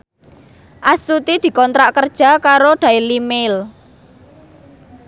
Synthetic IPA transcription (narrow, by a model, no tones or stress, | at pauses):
ʔast̪ut̪id̪̥i̤kɔnt̪ɾaʔkərd̥ʒ̥a̤kaɾod̪̥a̤ilimel